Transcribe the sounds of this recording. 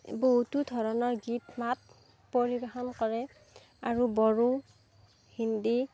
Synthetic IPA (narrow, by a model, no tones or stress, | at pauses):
boɦutudʱɔɹɔnɔɹɡitmat̚ | poɹibaxɔnkɔɹɛ | aɹubɔɹu | hindi